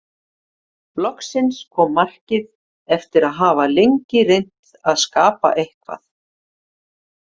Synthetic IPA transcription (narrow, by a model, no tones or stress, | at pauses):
lɔhksɪnskʰɔːmːar̥cɪð | ɛft̪ɪɾaðɦaːvalejɲcɪɾejn̥t̪ | aðskaːpa̰ʔehkva̰θ